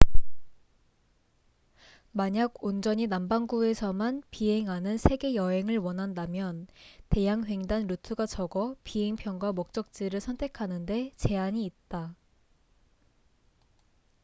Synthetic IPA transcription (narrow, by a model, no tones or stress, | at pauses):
maɲaɡond͡ʑʌɲinambaŋɡuesʰʌmanpiɦe̞ŋanɯnsʰe̞ɡe̞jʌɦe̞ŋɯɭwʌnɦandamjʌnte̞jaŋɸwe̞ŋdanɾutʰɯɡat͡ɕʌɡʌpiɦe̞ŋpʰjʌnɡwamok̚t͡ɕ͈ʌk̚t͡ɕ͈iɾɯɭsʰʌntʰe̞kʰanɯnde̞t͡ɕe̞aɲiːt̚t͈a